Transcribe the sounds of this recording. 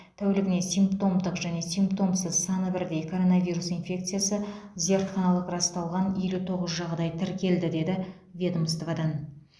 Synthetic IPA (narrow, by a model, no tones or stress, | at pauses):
t̪ʰæwelɪɡʲɪne̞sijmpt̪o̞md̪əqʒæne̞simpt̪o̞msəzsɑnəbɪɾd̪e̞jkʰo̞ɾo̞navijɾusinfʲe̞k̚t̪sɨjasəze̞ɾt̪χɑnɑlˠəqrɑst̪ɑlˠʁɑne̞lut̪ʰo̞ʁəzʒɑʁd̪ɑjt̪ʰɪɾkʲʰe̞ld̪ɪd̪e̞d̪ɪ | vʲed̪mst̪vad̪ɑn